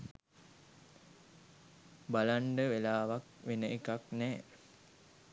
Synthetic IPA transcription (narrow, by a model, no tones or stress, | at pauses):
balaɳɖəʋelaːʋak̚ʋenəʔekaknɛː